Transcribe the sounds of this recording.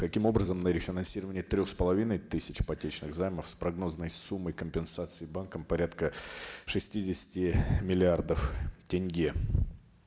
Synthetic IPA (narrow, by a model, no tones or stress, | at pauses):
kɐkʲimo̞bɾəzəmnəɾʲɪfʲɪnɐnsʲiɾəvənʲɪjət̪ɾʲoxspəlˠɐvʲinəjt̪ɨsʲɪt͡ɕpɐtʲet͡ɕnɨɣzajməfspɾɐɡno̞znəjsumːəjkəmʲpʲɪnsat̪sɨɪbankəmpɐɾʲat̪kəʂɨsʲtʲidʲɪsʲɪ̥tʲɪmʲɪlʲɪard̪əftʲɪnʲɡʲe